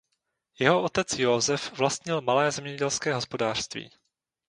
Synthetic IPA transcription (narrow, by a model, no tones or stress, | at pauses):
jɛɦo̞ʔot̪ɛt͡sjozɛfvlast̪ɲɪlmalɛːzɛmɲɛɟɛlskɛːɦo̞spo̞daːr̥st̪vḭː